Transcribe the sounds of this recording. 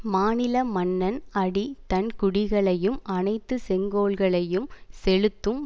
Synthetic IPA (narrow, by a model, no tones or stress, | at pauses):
maːnɪlɐmɐnːɐnɐɽit̪ɐnkʊɽɪɣɐɭɐjɯmɐnɐɪt̪ːɯsɛŋɡoːɭɣɐɭɐjɯmsɛɻɯt̪ːɯm